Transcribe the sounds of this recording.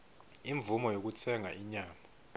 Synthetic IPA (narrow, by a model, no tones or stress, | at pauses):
iɱvumɔjok̬ut͡sʰɛŋaʔiɲaːma